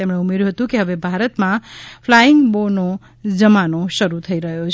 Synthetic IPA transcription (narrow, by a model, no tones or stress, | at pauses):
emɽeumeɾjɦot̪ũkiɦʌbebʱaɾət̪mãpʰlaiŋɡbono | d͡zʌmanosʌɾut̪ʰəiɾəɦjot͡sʰ